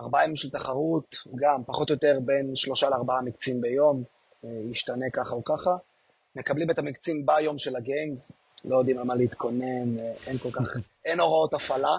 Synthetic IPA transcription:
aʁbaimʃelt̪aχaʁut̪ɡampaχo̞t̪jo̞t̪e̞ʁbe̞nʃlo̞ʃaleaʁbaamikt͡simbe̞jo̞m | jiʃtane̞kaχaukaχa | me̞kablimet̪amikt͡simbajo̞mʃelaɡejnz | lʔo̞jod̪imalmaleit̪kʰo̞ne̞nʔenko̞lkaχʔeno̞ʁao̞t̪afala

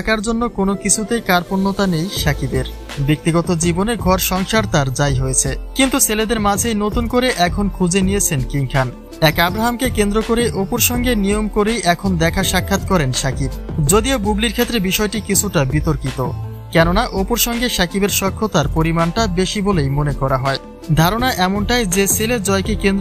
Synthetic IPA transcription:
akaɾd͡ʑonːokonokit͡ɕʰut̪ejkaɾponːot̪anejʃakibeɾ | bek̚t̪iɡɔt̪od͡ʑiboneɡʱɔɾʃɔŋʃaɾt̪aɾd͡ʑajɦojet͡ɕʰekint̪useled̪eɾmad͡ʑʱejnot̪unkoɾeʔɛkʰonkʰud͡ʑenijet͡ɕʰenkiŋkʰan | ɛkabɾaɦamkekend̪ɾokoɾeʔopoɾʃɔŋɡenijomkoɾejʔɛkʰond̪ɛkʰaʃakʰːat̪kɔɾenʃakib̚d͡ʑod̪iobubliɾkʰet̪ːɾebiʃɔeʈikit͡ɕʰuʈabit̪oɾkit̪o | kɛnonaʔopoɾʃɔŋɡeʃakibeɾʃɔkʰːot̪aɾpoɾimanʈabeʃibolejmonekɔɾaɦɔe | d̪ʱaɾonaʔɛmonʈajd͡ʑeseled͡ʑɔekekend̪

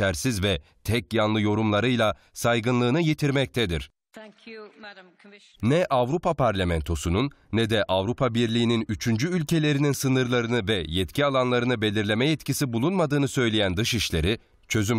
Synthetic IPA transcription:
æɾsizvɛ | t̪ʰɛcjanlˠɯjo̞ɾumlˠaɾɯjlˠa | sajɡɯnlˠɯːnɯjet̪ʰiɾmɛc̚t̪ʰɛd̪iɾ̝̥ | nɛʔavɾupʰapʰaɾlʲamɛnt̪ʰo̞sununːɛd̪ɛʔavɾupʰabiɾlʲiːninyt͡ʃʰynd͡ʒyylʲcʰe̞lʲe̞ɾininsɯnɯɾlˠaɾɯnɯvɛjɛt̪cʰialˠanlˠaɾɯnɯbe̞lʲiɾlʲe̞mɛjɛt̪cisibulˠunmad̪ɯːnɯsø̞jlʲejænd̪ɯʃiʃlʲe̞ɾi | t͡ʃʰø̞zym

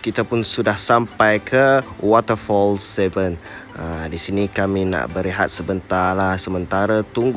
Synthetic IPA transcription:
kit̪apʊnsudahsampajkʰəwɔt̪əfɔlsɛvənədisinikamina̰ʔbəɾiɦa̰t̪̚səbənt̪alahsəmə̃nt̪aɾət̪uŋɡ

